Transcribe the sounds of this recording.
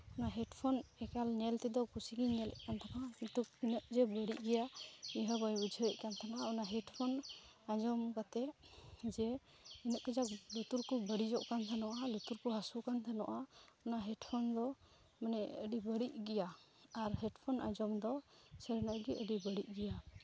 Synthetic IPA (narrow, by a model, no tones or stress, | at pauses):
ɔnaɦɛʈpʰɔnɛkalnɛlt̪ɛd̪ɔkusiɡiɲɛlɛ̰ʔ̚kant̪ʰakakint̪uk̚inəʔd͡ʒɛbəɽiʔ̚ɡɛjaiɦəbɔjud͡ʒʱəəʔkant̪ʰanaʔaɔnaɦɛʈpʰɔn | ad͡ʒɔmkat̪ɛd͡ʒɛ | inəʔkɛd͡ʒaklut̪uɾkubəɽid͡ʒɔʔkant̪ʰanɔʔalut̪uɾkuɦasukant̪ʰanɔʔaɔnaɦɛʈpʰɔnd̪ɔ | manɛəɖibəɽiʔ̚ɡɛja | aɾɦɛɖpʰɔnʔa̰d͡ʒɔmd̪ɔsɛɾnaʔɡɛʔəɖibəɽiʔ̚ɡɛja